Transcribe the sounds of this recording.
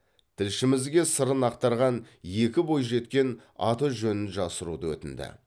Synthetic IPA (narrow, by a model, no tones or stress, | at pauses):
t̪ʰɪlʃɪmɪzɡʲe̞səɾənɑqt̪ɑɾʁɑnje̞kʲɪbo̞jʒe̞t̪kʲe̞nɑ̰t̪əʒɵnɪnʒɑsəɾṵd̪əwɵ̰t̪ɪnd̪ɪ̰